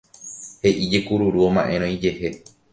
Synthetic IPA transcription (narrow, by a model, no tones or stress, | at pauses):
he̞ʔid͡ʒe̞kuɾuɾuomã̰ʔẽ̞ɾ̃õid͡ʒe̞he̞